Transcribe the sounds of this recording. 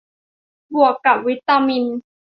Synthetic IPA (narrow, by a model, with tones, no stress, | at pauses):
bu˨˩əkːa˨˩p̚wi˦˥t̪ːa˧mi˧n